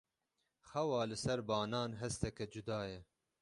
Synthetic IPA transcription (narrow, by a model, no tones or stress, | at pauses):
xɛwɑːlɨsɛɾbɑːnɑːnɦɛst̪ɛkɛd͡ʒud̪ɑːjɛ